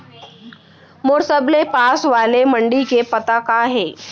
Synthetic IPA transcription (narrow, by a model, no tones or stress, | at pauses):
moːɾsəblepaːsʋaːlemə̃ɳɖikepɐt̪akaɦɛː